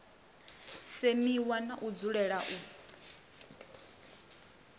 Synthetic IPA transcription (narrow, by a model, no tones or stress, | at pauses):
semiwanaʔud͡zuɺɛɺaʔu